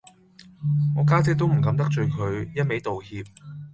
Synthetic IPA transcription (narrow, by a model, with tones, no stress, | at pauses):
ŋɔː˨˧kaː˥t͡sɛ˨˥t̪o˥wm̩˨˩kɐ˨˧˥mt̪ɐ˥k̚t͡ʃɵ˨˧ɥkʰɵ˨˧ɥjɐ˥t̚me˨˥jt̪o˨whiː˧p̚